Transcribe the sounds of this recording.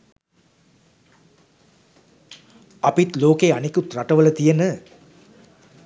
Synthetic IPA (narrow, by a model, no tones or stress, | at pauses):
ɐpit̪loːkeːɐnekut̪ɾɐʈɐʋɐlɐt̪ijɐnə